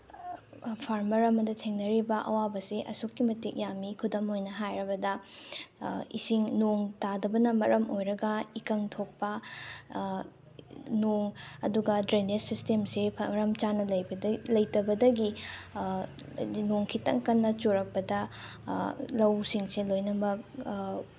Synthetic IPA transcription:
pʰaɾmɐɾɐmɐdɐtʰeŋnɐɾibɐʔɐ̰wabɐseʔɐ̰sokːimɐtik̚jamikʰudɐmojnɐɦajɾɐbɐdɐ | ḭsiŋnoŋtadɐbɐnɐmɐɾʔɐmojɾɐɡɐikɐŋtʰok̚pɐ | noŋɐ̰duɡɐdɾenesistemsepʰɾɐmt͡ʃanɐlɐjlɐjtɐbɐdɐɡi | noŋkʰitɐ̰ŋkɐnːɐt͡ʃoɾɐk̚pɐdɐ | lɐwsiŋselojnɐmɐk

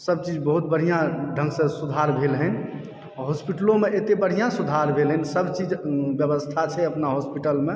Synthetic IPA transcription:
səbt͡ʃid͡ʒbəɦut̪̚bəɽ̤ijãɖʱə̃ŋɡsə̃sud̪ʱaɾbʱelɦən | ɦospiʈəlomeʔet̪ebəɽ̤ijãsud̪ʱaɾbʱelɦənsəbt͡ʃid͡ʒbjəbəst̪ʰat͡ʃʰɛəpnaɦospiʈəlme

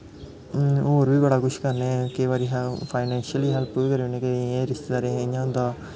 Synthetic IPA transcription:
oːɾbʱiːbɐɽakʊʃkɐɾnẽkeiʋaːɾiɦpʰaːɪnɛ̃ːnʃiəliːɦɛlpːukɐɾẽnẽːkeẽːɾɪst̪d̪aːɾẽeɲãnd̪a

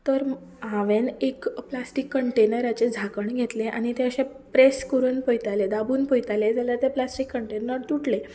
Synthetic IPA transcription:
t̪əɾɦaʋenekplasʈikːəɳʈenəɾat͡ɕed͡zʱakəɳɡʱet̪leʔa̰ɽ̃it̪ẽəɕẽ | pɾeskəɾuːnpojt̪aled̪abuːnpojt̪aled͡zʱaljat̪eplasʈikːəɳʈenəɾt̪uʈle

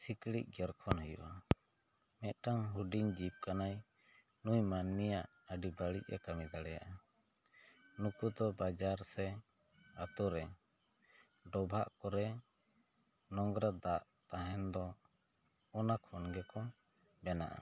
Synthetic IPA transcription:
siklḭʔ̚ˀɡɛɾkʰɔnɦəjṵʔa | mɛt̪̚ʈaŋɦuɖiɲd͡ʒip̚kanaj | nujmanmijaʔ | əɖibaɽic̚ɛ̰kamid̪aɽɛja̰ʔa | nukud̪ɔbad͡ʒaɾsɛ | at̪ɔɾɛ | ɖɔbʱaʔkɔɾɛ | nɔŋɡɾad̪aʔt̪aɦɛnd̪ɔ | ɔnakʰɔnɡɛkɔ | bɛnaʔa̰

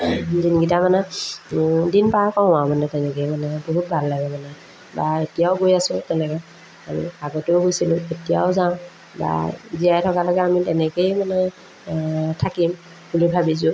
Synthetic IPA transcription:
zinɡitamanɛ | dinpaakɔãmanɛtɛnɛkejmanɛboɦut̚bʱalːajbɔmanɛ | baetijaʊɡojasʊ̃tɛnɛka | amḭaɡɔtʊʊɡojsilʊ̃etija̰ʊzaʊ̃ | ba̰zijajtʰɔkalɔɡɛamitɛnɛkejmanɛ | tʰakim | bulibʱabis̬ʊ

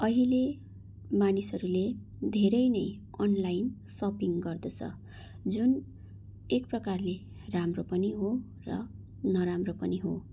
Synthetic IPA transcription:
ʌɦile | manisʌɾule | d̪ʱeɾʌjnʌj | ʌnlajnsʌpiŋɡʌrd̪ʌt͡sʰʌ̰ | d͡zun | ek̚prʌkarle | ramropʌniɦo | rʌ̰ | nʌɾamropʌniɦo

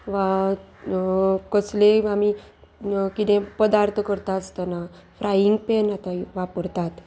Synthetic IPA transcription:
ʋa | kəsleami | kit̪ɛ̃pəd̪aɾt̪ʰəkəɾt̪aəst̪əna | fɾʔajiŋɡpenat̪aʋapəɾt̪at̪

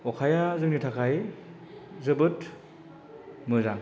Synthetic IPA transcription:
ɔkʰajazɯk̚nitʰakʰaj | zɯbɯt | mɯzaŋ

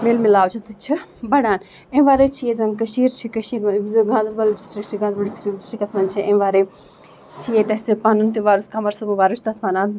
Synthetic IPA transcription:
meːlmilaːwt͡ʃʰɐt̪ut͡ʃʰibɐɽaːn | ẽʋaːɾet͡ʃʰijezɐmkɐʃiːɾt͡ʃʰikɐʃiɾɡãːnd̪ɐɾbɐlɖisʈɾik̚t͡ʃʰiɡãːnd̪ɾbɐlisɾiksɾikɐt̪ʰmɐnt͡ʃʰiʔẽʋaːɾe | t͡ʃʰijet̪ɐsipanunt̪iʋaːɾuskɐmɐɾsɐmɨʋaːɾut͡ʃʰt̪ɐt̪ʰmanaːn

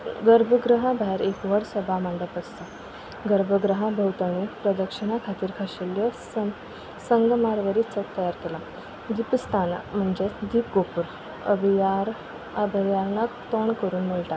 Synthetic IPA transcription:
ɡəɾbʱəɡɾəɦabaɦeɾekʋəɽsəbʱamaɳɖəpəst̪ə | ɡəɾbʱəɡɾəɦãbʱəwt̪əɳ̃ipɾəd̪əkʂiɽ̃akʰat̪iːɾkʰaɕeljəsə | səŋɡmaɾʋəɾit͡sək̚t̪əjaɾkela | d̪ipəst̪ana̰m̤əɳd͡ʑed̪iːp̚ɡopuɾ | ə̰bʱaɾ | əbʱəjaɾnakt̪ɔɳkəɾuːnməlʈ̪a

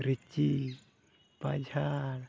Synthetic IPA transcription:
ɾit͡ʃi | pad͡ʒʱaɾ

